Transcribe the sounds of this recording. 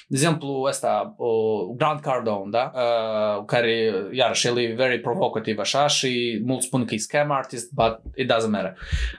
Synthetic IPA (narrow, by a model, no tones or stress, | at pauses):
zʲimplˠuɛst̪a | ɡɾãnd̪̚kaɾd̪õwnd̪a | kaɾijaɾɐʃilˠivɛɾipɾɔvokɐt̪ivɐʃaʃimulˠt̪spunkiskɛmaɾt̪ist̪̚bat̪̚it̪̚d̪azɐmɛɾɐ